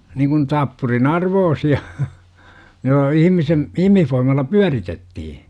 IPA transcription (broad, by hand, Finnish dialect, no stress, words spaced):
niŋkun tɑpːurin ɑrʋoːsiɑ jo ihimisem ihmihfoimɑlːɑ pyæritetːihi